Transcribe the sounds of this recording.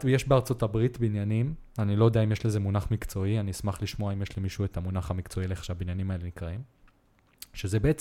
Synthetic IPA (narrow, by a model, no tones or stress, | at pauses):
tjeʃbeaʁt͡so̞tabʁitbinjanim | anilojod̪eaimjeʃle̞zemunaχmikt͡so̞ianiismaχliʃmo̞aimjeʃlimiʃue̞tamunaχamikt͡so̞ileχʃeabinjanimae̞le̞nikʁaim | ʃezebeet͡s